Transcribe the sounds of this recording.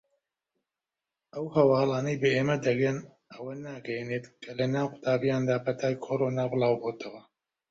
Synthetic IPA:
ʔɐwhɐwɑːlaːnɐjbɐeːmɐd̪ɐɡɐn | ɐwɐnaːɡɐjeneːt̪kʰɐlɐnaːwqʊt̪ʰaːbijaːnd̪aːbɐt̪ʰaːjkʰoɾoːnaːbɨlˠaːwboːt̪ʰɐwɐ

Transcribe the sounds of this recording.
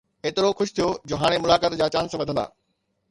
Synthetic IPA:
eːt̪ɪɾoxʊʃt̪ʰijod͡ʑoːɦaːɽ̃emʊlaːkaːt̪d͡ʑaːɐt͡ɕaːnsãʋɐd̪ʱəna̰ː

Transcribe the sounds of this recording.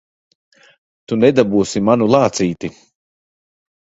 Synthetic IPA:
t̪unɛd̪abuɔsimanulˠaːt̪siːt̪i

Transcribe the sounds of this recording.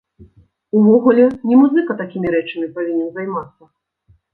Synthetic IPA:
uvɔɣulʲɛnʲɛmuzɨkɐt̪akʲimʲiɾɛt͡ʂɐmʲipavʲinʲɛnzajmat̪sːɐ

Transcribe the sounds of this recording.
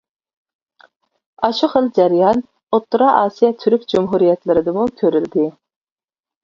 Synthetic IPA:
ɑʃuχəlˠd͡ʒæɾjɑn | ot̪ːuɾɑʔɑːsijɑt̪ʰyɾykʲd͡ʒumɦuɾijɛt̪lɪɾɪd̪ɨmukʲʰøɾyld̪ɪ

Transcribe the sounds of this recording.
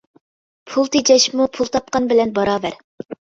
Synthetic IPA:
pʰulˠt̪ʰet͡ʃʰɛʃmupʰulˠt̪ʰɑp̚qɑnbɪlɛnbɑɾɑːvɛɾ

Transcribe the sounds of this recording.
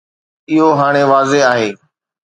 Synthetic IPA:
ɪɦoɦaːɽ̃eʋaːzeaːɦeː

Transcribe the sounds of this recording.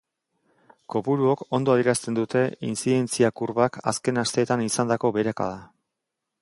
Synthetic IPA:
ko̞puɾuo̞ko̞nd̪o̞aðiɾast̪e̞nd̪ut̪e̞ḭnsiðe̞nt͡siakuɾβaka̰ske̞nast̪e̞ːt̪anisand̪ako̞βe̞ɾeka̰ða

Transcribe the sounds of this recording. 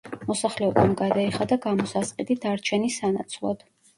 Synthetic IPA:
mɔsaχlɛɔbamɡad̪aiχad̪aɡamɔsasqʼɛt̪id̪aɾt͡ʃʰɛnisanat̪sʰlˠɔ̰d̪̥

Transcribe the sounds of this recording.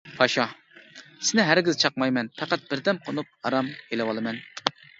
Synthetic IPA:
pʰɑʃɑ | sɪnɪɦæɾɡʲɪzt͡ʃʰɑq̚mɑjmɛnpʰɛqæt̪̚b̥ɪɾd̪ɛmqʰonup̚ɑɾɑmhelɪwɑlˠɨmɛn

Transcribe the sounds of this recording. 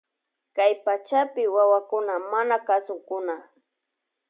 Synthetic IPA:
kajpat͡ʃapɪwawakʊnamanakasʊŋkʊna

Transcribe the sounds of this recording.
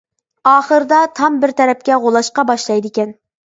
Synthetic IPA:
ɑːχəɾɨd̪ɑt̪ʰɑmbɪɾt̪ʰɛɾɛp̚kʲɛʁolˠɑʃqɑbɑʃlˠɑjd̪ɪkʲɛn

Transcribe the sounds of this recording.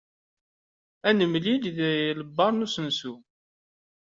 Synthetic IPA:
ænəmlid̪ðæjələbːɑɾˤnusənsu

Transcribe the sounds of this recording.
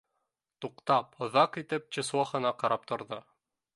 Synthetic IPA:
t̪uqt̪ɑpŏðɑqit̪ɘp̚t͡ɕɘ̆swɑχɤ̆nɑqɑɾɑp̚t̪ŏɾðɤ

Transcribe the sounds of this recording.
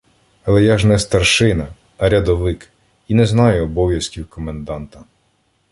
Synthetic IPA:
ɐlˠɛjɑʒnɛst̪ɐrʃɪnɐ | ɐɾʲɐd̪ɔʋɪk | inɛznɑjʊɔbɔʋjɐskʲiwkɔmend̪ɑnt̪ɐ

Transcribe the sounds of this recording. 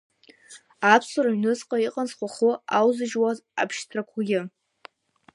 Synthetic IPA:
apʰsuɾaɥnɨzqʼaiqʼanzχʷaχuawzɨʒwaza̰pʰʃtʰrakʷʰaɡʲɪ

